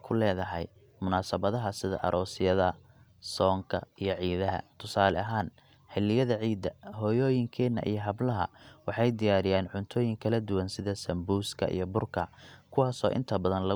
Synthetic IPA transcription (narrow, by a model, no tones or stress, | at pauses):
kʰʊlɛːðɐɦɛ̰j | mʊnaːsɐβɐðɐɦɐsɪðɐ̰ʔɐ̰ɾʔɔːsɪjɐðɐ | sɔːŋkʰɐ̰ijɞʕiːðɐɦɐ̰t̪ʰʊsaːlɛɐɦaːn | ħɛlɪjɐðɐʕiːd̪ːɐɦɔːjɔːjɪŋkʰɛːnːɐ̰ʔḭjɞɦɐblɐɦɐ̰wɑħɑjd̪ɪjaːɾɪjaːnʕʊnt̪ʰɔːjɪŋkʰɐlɐd̪ʊwɐnsɪðɐsɐmbuːskʰɐ̰ʔḭjɞbʊrkʰɐkʰʊwɑːsɔːʔɪ̰nt̪ʰɐbɐðɐnlɐ